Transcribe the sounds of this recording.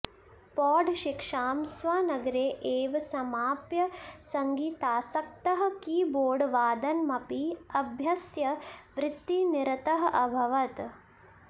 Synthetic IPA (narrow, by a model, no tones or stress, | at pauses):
pɔːɖʱʃikʂaːmsʋaːnɐɡɾeːʔeːʋɐsɐmaːpjɐsɐŋɡiːt̪aːsɐk̚t̪ɐɦɐ̆kiːboːɖʋaːd̪ɐnmɐpiɐbʱjɐsjɐʋɾɪt̪ːiniɾɐt̪ɐɦɐʔɐbʱɐʋɐt̪